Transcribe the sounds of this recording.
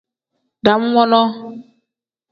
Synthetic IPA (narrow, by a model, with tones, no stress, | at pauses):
ɖa˨mu˦wɔ̃˦nɔ̃˦